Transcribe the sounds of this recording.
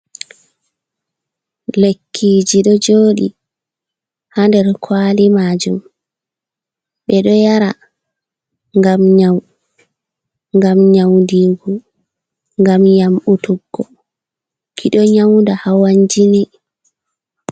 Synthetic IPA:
lekʰːiːd͡ʒiɗɔd͡ʒoːɗi | handɛɾkʰwaːlimaːd͡ʒum | ɓɛɗɔjaɾa | ŋɡamɲaw | ŋɡamɲawndiɡu | ŋɡamjamɓutuɡːɔ | kʰiɗɔɲawndahawaɲd͡ʒinɛ

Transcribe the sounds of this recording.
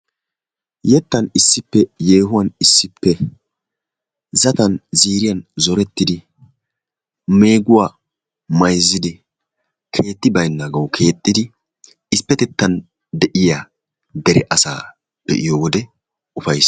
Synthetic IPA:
jɛt̪ːɐnɪsːɪpːɛje̞ːɦʊwɐnɪsːɪpːɛ | zɐt̪ɐnziːɾɪjɐnzɔɾɛt̪ːɪd̪ɪ | me̞ːɡʊwa | mɐjzːɪd̪ɪ | kʰe̞ːt̪ːɪbɐjnːaːɡɐwkʰe̞ːt̪ʼːɪd̪ɪ | ɪspːɛt̪ɛt̪ːɐn | d̪ɛʔɪja | d̪ɛɾɛʔɐsa̰ː | b̥ɛ̰ʔɪjɔwɔd̪ɛ | ʊfɐjs

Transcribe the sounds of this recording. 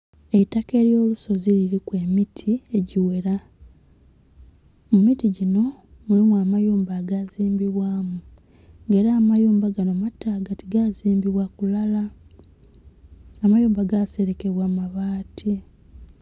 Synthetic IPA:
e̞take̞ːɾjo̞ːluso̞ziliɾikwe̞ːmitʰie̞ɟiwe̞ɾa | mumitiɟino̞mulimuamajuːmbaːɡaziːmbiβwaːmu | ŋɡe̞ːɾaːmajuːmbaɡano̞matːaːɡatiɡaziːmbiβwakulala | amajuːmbaɡase̞ɾe̞ke̞βwamaβaːtʰi

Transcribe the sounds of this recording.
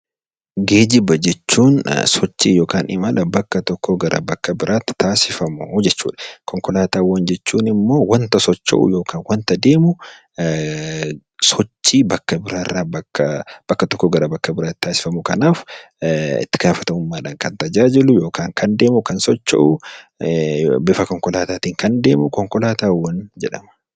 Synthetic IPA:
ɡeːd͡ʒɪbɐd͡ʒɛt͡ʃːuːnsɔt͡ʃːḭːjo̞ːkaːnɪmɐlʔɐbɐkːɐt̪ɔkːoɡɐɾʔɐ̰bɐkːɐbɪɾʔaːt̪ːɪ̥t̪ːaːsɪfɐmʊd͡ʒɛt͡ʃːṵːᶑɐ̥kɔŋkɔlaːt̪aːwːɐnd͡ʒɛt͡ʃːuːnɪmːo̞ːwɐnt̪ɐsɔt͡ʃːɐ̰ʔʊ̰jo̞ːkʰaːnwɐnt̪ɐd̪e̞ːmʊ | sɔt͡ʃːiːbɐkːɐbɪɾaːrːaːbɐkːɐb̥ɐkːɐt̪ɔkːɔɡɐɾɐbɐkːɐbɪɾaːt̪t̪ːaːsɪ̥fɐmʊkɐnaːf | ɪ̰t̪ːɪɡ̥aːfɐt̪ɐʊmːaːᶑaːŋkɐnt̪ɐd͡ʒaːd͡ʒɪlʊjo̞ːkaːŋkʰɐnd̪e̞ːmʊkɐnsɔt͡ʃːɐ̰ʔʊ | bɪfɐkɔŋkɔlaːt̪aːt̪iːŋkɐnd̪e̞ːmʊkɔŋkɔlaːt̪aːwːɐnd͡ʒɛᶑɐ̰mɐ̥

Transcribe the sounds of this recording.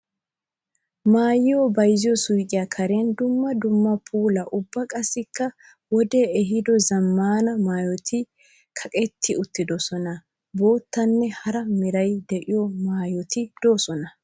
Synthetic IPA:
maːjɪjɔbɐjzɪjɔsujkʼɪjɐkʰɐɾeːnd̪ʊmːɐd̪ʊmːɐpʰuːlɐʔʊbːɐkʼɐsːɪkːɐ | wɔd̪eːɛɦɪd̪ɔzɐmːaːnɐmaːjɔt̪ʰɪ | kʰɐkʼɛt̪ʰːɪʊt̪ːɪd̪ɔsɔnɐ | bo̞ːt̪ːɐnːɛhɐɾɐmɪɾɐjd̪ɛʔɪjɔmaːjɔt̪ɪd̪̥o̞ːsɔnɐ

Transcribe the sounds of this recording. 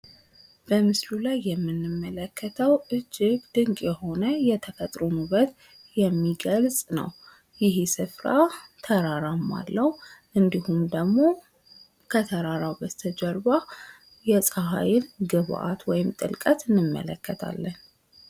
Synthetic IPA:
b̥əmɨslulajːɛmːɨnːɨmːələkʰːət̪ʰəwʔɨd͡ʒːɪɡd̪̥ɨŋkʼjɛho̞nəjɛt̪ʰəfət̪ʼɾunubət̪ | jɛmːiɡəlsʼnə̰w | jɪɦsɨfɾat̪ʰəɾaɾamːa̰lːəhuʔɨnd̪ihumd̪əɡmo̞ | kʰət̪ʰəɾaɾawbət̪ʰəd͡ʒɛɾba | jɛsʼaɦa̰jɪlɡɨβʔa̰t̪wɔjɪmt̪ʼɨ̰lkʼət̪ɨnːɨmːə̰lə̰kʰːət̪ʰa̰lːən

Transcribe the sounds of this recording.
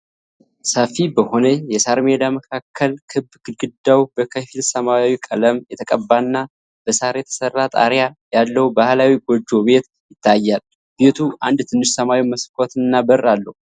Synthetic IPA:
səfibəho̞nəjɛsaɾmed̪aməkʰakʰːəlkʰɨbːɡɨɡɨd̪ːawbəkʰəfilsəmawikʼələmjɛt̪ʰəkʼəbːanːa | b̥əsaɾjɛt̪ʰə̥sərːat̪ʼa̰ɾjajalːəwubahlawiɡod͡ʒːo̞be̞t̪ | jɪt̪ʰːajːal | b̥e̞t̪ʰuʔa̰nd̪t̪ʰɨnːɨʃsəmawiməskʰʼot̪ʰɨnːabərːalːəhu

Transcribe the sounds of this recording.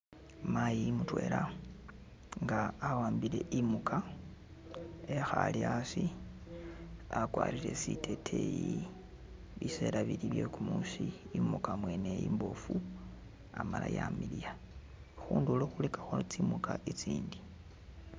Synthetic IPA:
majimutwe̞ːla | ŋɡaːwaːmbile̞ʔimukʰa | exaliasi | akwa̰ːɾile̞sitʰetʰeji | βise̞ɾaβiliβjekumusiimukamwe̞nejimbo̞fu | amala̰jamilija | xuːnduloxulekḁxot͡simukaʔit͡siːndi

